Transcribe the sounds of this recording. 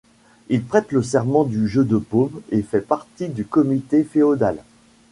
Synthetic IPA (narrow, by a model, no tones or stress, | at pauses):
ilpχɛt̪ləs̬ɛʁmɑ̃d̪yʒød̪əpomefɛpaʁt̪id̪ykɔmit̪efeod̪al